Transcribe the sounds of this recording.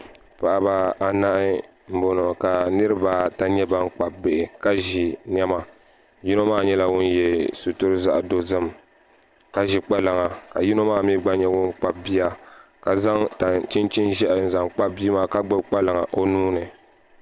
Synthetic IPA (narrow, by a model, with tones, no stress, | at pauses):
pa˨ʔa˨ba˦a˨na˦ʔɪ˦ | m̩˦bo˨no˨ka˨nɨ˦ɾɨ˦ba˦ta˨ɲɛ˦ba˦ŋ˦k͡pa˨b̚be˨ʔɪ˨ka˦ʒi˨ɲ˦ɛ˦ma˨ | ji˦no˦maː˦˨ɲɛ˦la˦wʊ˦njɛ˨su˨tʊ˦ɾɨ˦za̰˦ʔdo˨zɨ˦m | ka˨ʒi˨k͡pa˦la˨ŋa˨ka˨ji˦no˦maː˦˨mi˦ɡ͡ba˦ɲɛ˦wʊ˦nk͡pa˦bi˦ja˦ka˨za˦ŋta˨t͡ʃi˦nt͡ʃi˦nʒɛ˦ʔza˨ŋk͡pa˦bbi˦maː˦ka˦ɡ͡bɨ˦bk͡pa˦lɨ˨ŋa˨ʔo˦nuː˦nɨ˨